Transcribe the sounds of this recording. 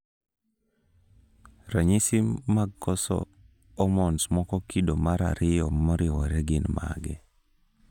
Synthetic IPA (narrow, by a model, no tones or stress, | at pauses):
ɾaɲisimːaɡkɔsɔ̰ː | mɔnsmɔkɔkidomaɾa̰ɾɪjɔmɔɾɪwɔɾɛɡɪnma̰ɡɛ̰